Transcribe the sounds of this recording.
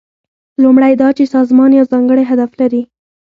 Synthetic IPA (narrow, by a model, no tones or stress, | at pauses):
lumɽajd̪ɑt͡ʃesɑzmɑnjawzɑŋɡəɽajɦad̪aflaɾi